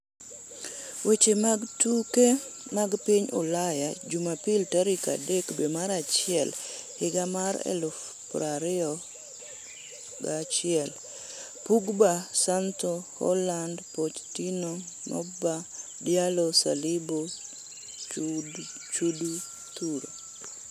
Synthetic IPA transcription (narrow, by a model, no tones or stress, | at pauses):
wet͡ʃematuke | maɡpiɲo̰lajad͡ʒumapiltaɾika̰dekbemaɾat͡ʃɪɛl | hɪɡamaɾɛ̰lʊf | pɾaɾɪɔ | ɡat͡ʃɪɛl | puɡbasantɔhɔ̰landpot͡ʃtinoŋnɔ̰ba | djalɔsa̰libo | t͡ʃudu | t̪uɾo